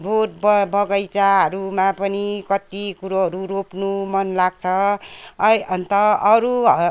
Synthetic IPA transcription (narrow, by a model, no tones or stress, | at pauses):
bʱoʈ̚bʌbʱʌɡʌjt͡saɦʌɾumapʌnikʌt̪ikuɾoɦʌɾuɾopnumʌnlaɡ̚t͡sʰʌ | ʌnt̪ʌʌɾuʌ